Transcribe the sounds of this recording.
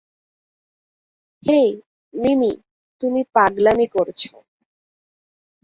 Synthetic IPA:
hej | mimi | t̪umipaɡlamikoɾt͡ɕʰo̰

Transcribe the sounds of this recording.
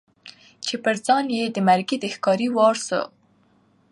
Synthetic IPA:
t͡ʃepəɾd͡zɑnjed̪əmaɾɡid̪əxkɑɾiwɑɾsə̰

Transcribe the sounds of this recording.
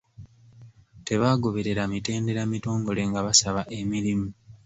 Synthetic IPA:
te̞βaːɡo̞βe̞ɾe̞ɾamite̞ːnde̞ɾamito̞ːŋɡo̞le̞ŋɡaβasaβaʔe̞miɾimu

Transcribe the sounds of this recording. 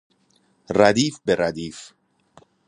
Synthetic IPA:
rad̪iːfbeɾad̪iːf

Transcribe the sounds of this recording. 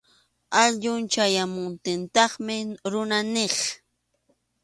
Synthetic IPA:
aʎʊnt͡ʃajamʊnt̪ɪnt̪ɑχmɪɾʊnanɪχ

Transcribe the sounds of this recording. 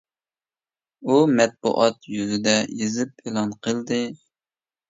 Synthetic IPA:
umɛt̪̚bṵʔɑt̪jyzɪd̪ɛjezɨp̚elˠɑnqʰəlˠd̪ɨ

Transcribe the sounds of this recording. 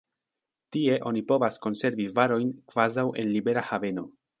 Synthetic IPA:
tie̞ʔo̞nipo̞vasko̞nse̞ɾvivaɾo̞jnkv̥azawʔe̞̰nlibe̞ɾahave̞no̞

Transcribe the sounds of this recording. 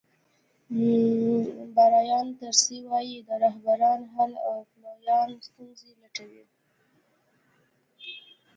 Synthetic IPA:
baɾɑjɑnt̪əɾsiwɑjid̪əɾaɦbaɾɑnɦama̰wplɑjɑnst̪unzelaʈawi

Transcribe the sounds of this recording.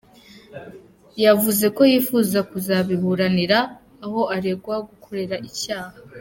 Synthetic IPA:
javuze̞ko̞jiːfuːzakuzaβiβuɾaniɾaː | ho̞aɾe̞ɡwaɡukʰo̞ɾe̞ɾaʔicaːha

